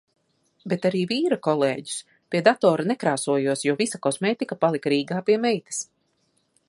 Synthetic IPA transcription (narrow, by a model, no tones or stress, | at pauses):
bet̪aɾiːviːɾakɔlˠeːɟu̥s | pʲiɛd̪at̪ɔːɾanɛkɾaːsuɔjuɔsjuɔvisakɔsmeːt̪ikapalˠikɾiːɡaːpiɛmɛjt̪i̥s